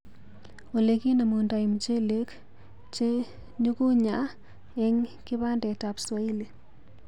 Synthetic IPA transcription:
o˨le˦ki˦na˨mu˨nda˨i˨mt͡ʃe˦le˦k | t͡ʃe˦ | ɲu˦ku˦ɲa˦ | ɛ˦ŋkɪ˦βa˦ndɛ˨ta˨pswa˦i˦le˨

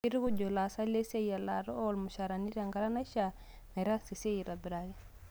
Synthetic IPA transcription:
i˦ɾi˦ku˦d͡ʒo˨la˨sa˦le˦se˦ja˨la˨ɾɔ˦olmu˨ʃa˨ɾa˨ni˦ɾa˨ŋɡa˦ɾa˦na˦ʃa | me˨ɾa˦se˨se˦ji˨ɾa˨bi˨ɾaɡɛ˦

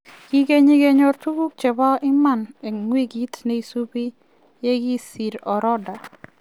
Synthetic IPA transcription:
ɡ̥i˦ɡe˦ɲi˦ɡe˦ɲɔ˦rtu˦ɡu˦k̚t͡ʃɛ˨ba˦ʔɪ˦ma˦˨ne˨ŋwe˦ɡi˦tne˦i˨su˦bi˦ | je˦ɡi˦si˨ɾɔ˨ɾɔ˦da˨

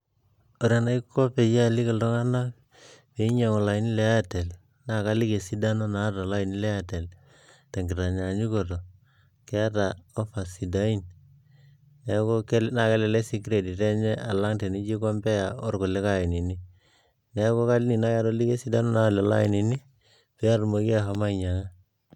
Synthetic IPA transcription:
o˨ɾja˨na˦i˦kʰo˦pe˨ja˦li˦kɪ˨ldɔ˦ŋa˦na˦k̚ | pe˨˦i˦ɲa˨ŋɔ˨la˨i˨˦ni˦le˦a˦tɛ˨l | na˨ka˦li˦ke˨si˦da˦no˦na˦ta˨la˦ɪ˨ni˦lɛ˦a˦˨tɛ˨l | tɛ˨ŋɡɪ˨ɾa˨ɲa˨ɲi˦ko˨to˨ | kɛ˦a˦ta˨ɔ˦fa˨si˨da˦i˦n | nɛ˨˦ko˦ke˦lna˨kɛ˦lɛ˨lɛ˦si˦kɾe˨di˨tɛ˦ɲɛ˦ʔa˨la˦ŋte˨ni˦t͡ʃi˦kɔ˦mbɛ˦ja˨ɔ˦rko˨lɛ˦ka˦ɪ˨ni˨ni˦ | nɛ˦ko˦ka˦lni˨na˦ka˦ɾo˦li˦ke˦si˦da˦no˦na˦˨lɛ˨la̰˦ɪ˨ni˨ni˦ | pe˦a˦ɾmo˨˦ki˦a˦˨ɦa˨ma˦˨ɲa˨ŋa˦

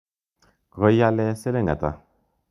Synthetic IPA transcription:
ko˨˦ja˦lɛ˦se˦le˦ŋɡa̰˨t̪a̰˨

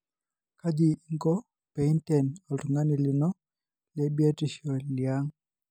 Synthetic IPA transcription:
ka˦di˨˦ŋɡɔ˦ | pɛ˨i˦ntɛ˨nɔ˨lu˨ŋa˦ni˨lɪ˨nɔ˦ | lɛ˦bi˦a˦ti˦˨ʃɔ˨lja˦ŋ

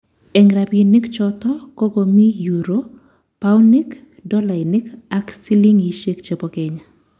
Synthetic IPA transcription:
ɛ˨ŋɾabini˦kt͡ʃɔt̪ɔ˦ko˦ko˨mi˦juɾo | pawni˦k | dɔ˦la˨ɪnɪka˦ksi˦li˦ŋji˦ʃe˦kt͡ʃe˨pokeɲa

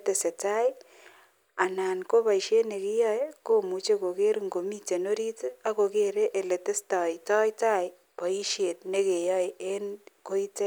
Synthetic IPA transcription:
te˨se˨ta˦j | a˨naː˨nko˦pa˨i˨ʃe˦tne˨ki˦jɔ˦jko˦mu˨t͡ʃe˦ko˨ke˦ɾŋɡo˨mi˦t͡ʃe˨no˦ɾi˦ta˦ko˨ke˦ɾe˦ʔe˨le˨te˦stɔ˨jtɔ˦jta˦j | pɔ˨i˦ʃe˨t̚ne˦ke˨jɔ˦je˦nko˦i˦te˦

